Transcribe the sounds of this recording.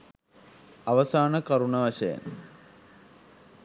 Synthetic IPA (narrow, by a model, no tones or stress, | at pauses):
ɐʋɐsaːnɐkɐɾuɳɐʋɐʃɐjɐ̰n